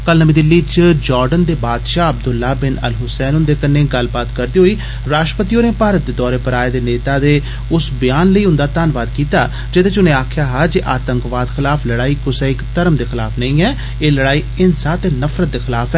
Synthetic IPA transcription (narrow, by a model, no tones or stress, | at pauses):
kəlnəmiːd̪ɪlːiːt͡ʃəd͡ʒɔːɾɖənd̪eːbaːd̪ʃaːəb̚d̪ʊlːaːbɪnə̰lɦʊsɛːnʊnd̪eːkəneːɡəlbaːt̪kəɾd̪iːɦoːiː | ɾaːsʃʈɾəpət̪iːõːneːpaːɾət̪̚d̪eːd̪ɔːɾeːpəɾaːeːd̪eːneːt̪aːd̪eː | ʊsbɪjaːnləiːʊnd̪aːt̪aːnʋaːd̪kiːt̪aː | d͡ʒɪt̪eːt͡ʃʊnẽːaːkʰɪjaːɦaːd͡ʒeʔaːt̪ə̃ŋkʋaːd̪xʰɪlaːpʰləɽaːiːkʊsɛːɪkt̪əɾəmd̪eːxɪlaːpʰnəĩːɛː | eːləɽaːiːɪnsaːt̪eːnəfʰɾət̪̚d̪eːxɪlaːpʰɛː